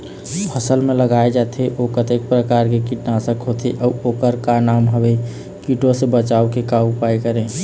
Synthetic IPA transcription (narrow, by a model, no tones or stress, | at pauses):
pʰəsəlmẽləɡaed͡ʒat̪ʰeʔokət̪eːk̚pɾəkaːɾkekiʈnasəkɦot̪ʰeʔəoːkəɾkanaːmɦəbe | kiʈosebət͡ʃaːokekaupaekəɾẽ